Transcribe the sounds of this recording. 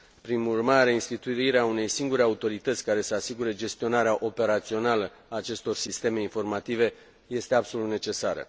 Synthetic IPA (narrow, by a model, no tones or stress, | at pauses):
pɾimurmaɾeinst̪it̪uiɾeaune̞jsiŋɡuɾe̞aut̪o̞ɾit̪ət̪sʲkaɾe̞səasiɡuɾe̞d͡ʒe̞st̪io̞naɾeaʔo̞pe̞ɾat̪sio̞nalə | aːt͡ʃe̞st̪o̞rsist̪e̞me̞info̞rmat̪ive̞ | je̞st̪e̞abso̞lut̪ne̞t͡ʃe̞saɾə̰